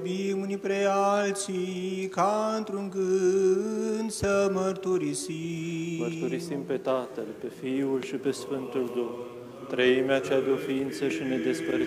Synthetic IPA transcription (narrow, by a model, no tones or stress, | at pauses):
bimunipɾealt̪sikaɨnt̪ɾuŋɡɨ | nd̪səməɾt̪uɾisiməɾt̪uɾisimpe̞t̪at̪əlpe̞fiulʃipe̞sfɨnt̪uld̪um | t̪ɾeimeat͡ʃejad̪eo̞fiint̪səʃine̞d̪espɾə